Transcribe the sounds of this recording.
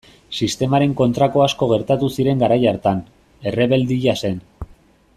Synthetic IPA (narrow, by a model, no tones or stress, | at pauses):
sist̪e̞maɾe̞ŋko̞nt̪ɾako̞asko̞ɣ̞e̞ɾt̪at̪usiɾe̞ŋɡaɾajaɾt̪an | e̞reβe̞ld̪iʝase̞n